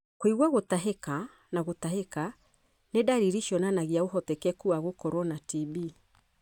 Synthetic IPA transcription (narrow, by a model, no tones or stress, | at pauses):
kwiɣwaɣotaɦeka | naɣot̪aɦeka | nedaɾiɾiʃjɔnanaɣiaoɦɔtɛkɛkuaɣokɔɾwɔnatibi